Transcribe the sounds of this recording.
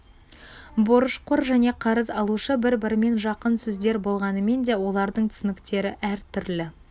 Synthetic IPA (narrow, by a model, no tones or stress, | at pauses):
boɾəʃqʰʊɾʒæne̞qʰɑɾəzɑlˠuʃəbɪɾbɪɾme̞nʒɑqənsɵzd̪e̞ɾbo̞lˠʁɑnəme̞nd̪e̞wo̞lˠɑɾd̪əɴt̪ʰʏ̥sɪnɪkt̪e̞ɾɪʔæɾt̪ʰʏɾlɪ